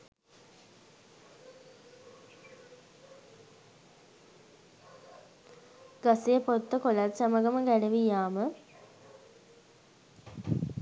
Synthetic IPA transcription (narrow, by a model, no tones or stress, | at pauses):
ɡ̥asejəpot̪ːəkolat̪saməɡəməɡæləʋijaːmə